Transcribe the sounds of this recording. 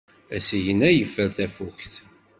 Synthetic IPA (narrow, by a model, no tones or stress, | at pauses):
æsiʝənæjəfːəɾθæfukθ